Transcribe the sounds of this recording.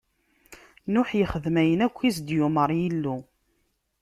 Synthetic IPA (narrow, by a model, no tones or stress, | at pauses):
nʊħjəχəðmæjənækʷːisd̪jʊməɾˤjilːu